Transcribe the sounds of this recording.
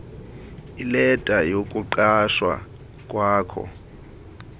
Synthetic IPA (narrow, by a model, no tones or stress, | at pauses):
ilɛtʼajokʼuǃaʃwa̰ | kʼwaːkʰɔ̰